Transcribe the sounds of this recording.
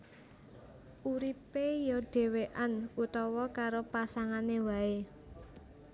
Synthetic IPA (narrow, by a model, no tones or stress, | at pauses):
ʔuɾipejɔɖ̥e̤weʔanut̪ɔwɔkaɾopasaŋanewae